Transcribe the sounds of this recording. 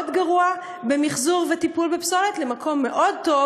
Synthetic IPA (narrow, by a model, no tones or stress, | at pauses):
dɡaʁua | be̞miχzuʁvetipulbepsolet̪lemakʰo̞mːe̞ʔo̞d̪̚to̞